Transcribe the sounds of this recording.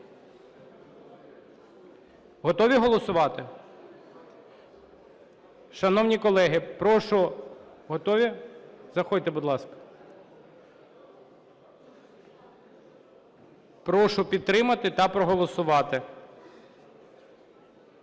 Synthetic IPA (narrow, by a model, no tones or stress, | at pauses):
ɦɔt̪ɔʋʲiɦɔlˠɔsʊʋɑt̪ɪ | ʃɐnɔwnʲikɔlˠɛɦɪpɾɔʃʊ | ɦɔt̪ɔʋʲizɐxɔjʲt̪ɛbʊd̪lˠɑskɐ̥ | pɾɔʃʊpʲid̪̚t̪ːɾɪmɐt̪ɪt̪ɐpɾɔɦɔlˠɔsʊʋɑt̪ɪ